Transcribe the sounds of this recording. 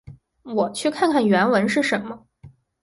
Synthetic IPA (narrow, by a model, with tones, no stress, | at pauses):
wɔ˨˩t͡ɕʰy˥˧kʰa˥˧nkʰa˥˩nɥɛ˧˥nwə˧˥nʂɻ̩˥˩ʂə˧˥nmə˧